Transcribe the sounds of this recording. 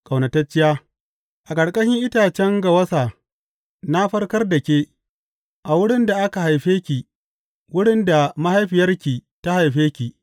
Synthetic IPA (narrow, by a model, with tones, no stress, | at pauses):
kʼa˨wnɐ˨tɐ˦t͡ʃːɪ˦jaː˦ | ʔa˨kʼɐ˨ɽkʼɐ˦ʃɪ˦ŋʔɪ˦taː˨t͡ʃɛ˦ŋɡa˨wɐ˦saː˨ | na˦ɸɐ˦rkɐ˦rda˨kʲeː˦ | ʔa˨wʊ˦ɽɪ˦nda˨ʔa˦ka˨ɦa˨jɸeː˦kʲi˨ | wʊ˦ɽɪ˦nda˨ma˦ha˦jɸɪ˨jɐ˦rkʲiː˨ta˦ha˨jɸeː˦kʲiː˨